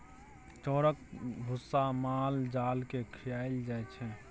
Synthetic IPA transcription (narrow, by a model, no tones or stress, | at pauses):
t͡ʃɔːɾək̚bʱʊsːamaːld͡ʒaːlkekʰɪjaːɪld͡ʒaːɛt͡ʃʰɛ̃